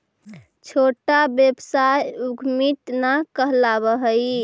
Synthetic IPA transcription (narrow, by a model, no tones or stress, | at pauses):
t͡ʃʰoʈabjebsajuɡʱmit̪nakəɦlabəɦəj